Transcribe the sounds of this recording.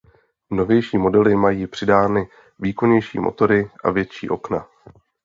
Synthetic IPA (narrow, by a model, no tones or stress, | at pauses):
mno̞vjɛjʃiːmo̞dɛlɪmajiːpr̥ɪdaːnɪ | viːko̞ɲɛjʃḭːmo̞̰t̪o̞ɾɪʔa̰vjɛt̪t͡ʃḭːʔo̞kna